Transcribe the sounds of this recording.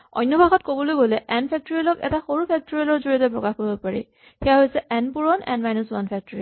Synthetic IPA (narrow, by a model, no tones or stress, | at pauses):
ɔ̰jnːɔbʱaxɔtkobɔlojɡolɛʔɛnpʰɛk̚tɔɹilɔkɛ̰taxoɹupʰɛk̚tɔɹiɔlɔɹzoɹiɔtɛpɹɔkaxkoɹibopaɹḭ | xɛjaɦojsɛʔɛnpuɹɔnɛ̰nmajnɔswanpʰɛk̚tɔɹi